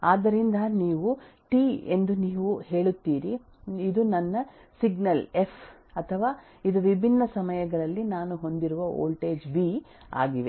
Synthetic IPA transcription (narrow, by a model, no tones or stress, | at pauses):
aːd̪ɐɾind̪ɐniːʋuʈiːe̞nd̪uniːʋuhe̞ːɭut̪ːiːɾi | id̪unɐnːɐ | siɡnɐle̞fʰ | ɐt̪ʰɐʋaː | id̪uʋibʱinːɐsɐmɐjɐɡɐɭɐlːinaːnuɦo̞nd̪iɾuʋɐo̰ːlʈe̞ːd͡ʒbi | a̰ːɡiʋe̞